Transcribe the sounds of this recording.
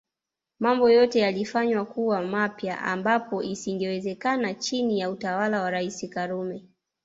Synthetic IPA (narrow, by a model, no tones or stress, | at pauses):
mambɔjɔtɛjalifaɲwakuwamapja̰ʔa̰mbapɔʔisiŋɡɛwɛzɛkanat͡ʃinijautawalawaɾaisikaɾumɛ